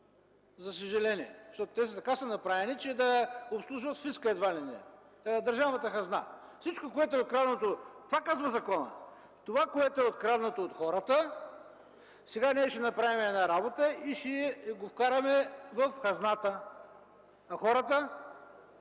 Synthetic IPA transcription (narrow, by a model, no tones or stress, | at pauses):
zɐs̬əʒɛlɛniɛ̰ʃt̪ɔt̪t̪ɛs̬t̪ɐkasənɐpɾavɛnit͡ʃɛd̪ɐopslˠuʒvət̪sfiskəɛd̪valɛnɛ̰ | d̪ɐɾʒavmɐt̪əxɐzna̰fsit͡ʃkokoɛt̪oɛot̪kɾad̪not̪ot̪ovakazvɐzɐkɔnə̰ | t̪ovakoɛt̪oɛot̪̚kɾad̪not̪oːt̪xɔɾət̪ə | sɛɡanɛʃɛnɐpɾavimɛɛːnaɾabot̪əiʃɛɡofkaɾɐmɛvɐfxɐznat̪ə | ɐxɔɾət̪ə